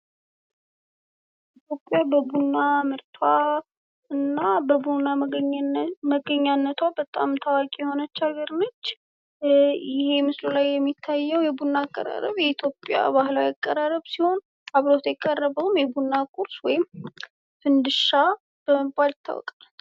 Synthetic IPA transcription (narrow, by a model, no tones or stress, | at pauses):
it̪ʰjo̞pʼːjabəbunːamɨɾt̪ʰwa | ɨnːabəbunːa | məɡəɲːanːət̪ʰwabət̪ʼa̰mt̪ʰawakʼijɛho̞nət͡ʃːaɡəɾnət͡ʃː | jɪhe̞mɨslulajːɛmːit̪ʰːajːəwjɛbunːaːkʼːə̰ɾa̰ɾə̰βjɛit̪ʰjo̞pʼːja̰bahɨlajakʼːəɾaɾəβsiho̞n | aβɾo̞t̪ʰjɛkʼːərːəβəwmjɛbunːakʼuɾswɔjɪm | fɨnd̪ɨʃa | b̥əməmkʼalɪt̪ʰːa̰wɔ̰kʼal